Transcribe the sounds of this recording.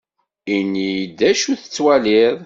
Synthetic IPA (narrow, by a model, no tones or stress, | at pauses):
inːijd̪ːæʃuθə̥t͡sːwæliðˤ